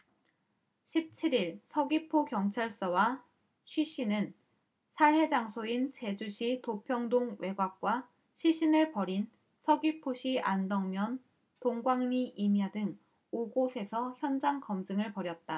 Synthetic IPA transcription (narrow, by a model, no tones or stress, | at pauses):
ɕʰip̚t͡ɕʰiɾiɭsʰʌɡipʰokjʌŋt͡ɕʰaɭs͈ʌwa | ɕʰɥiɕ͈ʰinɯn | sʰaɭɦe̞d͡ʑaŋsʰoint͡ɕe̞d͡ʑuɕʰitopʰjʌŋdoŋwe̞ɡwak̚k͈wa | ɕʰiɕʰinɯɭpʌɾin | sʰʌɡipʰoɕʰiʔandʌŋmjʌn | toŋɡwaŋɲiʔimjadɯŋ | oɡosʰe̞sʰʌçjʌnd͡ʑaŋkʌmd͡ʑɯŋɯɭpʌɾjʌt̚t͈a